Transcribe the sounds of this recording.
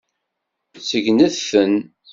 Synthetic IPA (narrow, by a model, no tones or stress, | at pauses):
t͡sːəʝnəðθən